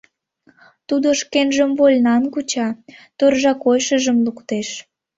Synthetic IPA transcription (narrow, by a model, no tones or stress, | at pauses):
t̪ud̪oʃkenʒəmvolʲnɑnkut͡ɕɑt̪ørʒɑkojʃəʒəmlukt̪eʃ